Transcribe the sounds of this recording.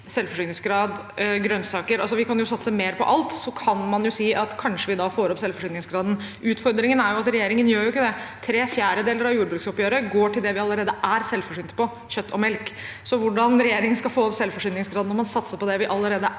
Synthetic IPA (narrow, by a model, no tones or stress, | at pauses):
sɛlfɔʂyːnɪŋsɡɾɑːd̪ɡɾœnːsɑːkəɾɑlsɔʋɪkʰɑnjʊsɑt̪ːsəmeːɾpʰɔ̰ʔɑlt̪sɔkʰɑnmɑnjʊsiːʔɑt̪kʰɑnʂəʋɪd̪ɑfoːɾɔpsɛlfɔʂyːnɪŋsɡɾɑːd̪n̩ | ʔʉːt̪fɔɾd̪ɾɪŋənæɾjʊɑt̪ɾɛjeːɾɪŋənjøːɾjʊɪkːəd̪ɛt̪ʰɾeːfjæːɾəd̪eːləɾɑʋjuːɾbɾʉːksɔpjøːɾəɡoːʈɪld̪ɛʋɪɑlːəɾeːd̪əʔæɾsɛlfɔʂyːnt̪ə̥pɔ | çœt̪ːɔmɛlk | sɔʋʊɖɑnɾɛjeːɾɪŋənskɑfoːɾɔpsɛlfɔʂyːnɪŋsɡɾɑːd̪nɔɾmɑnsɑt̪səpɔd̪ɛʋɪʔɑlːəɾeːd̪ə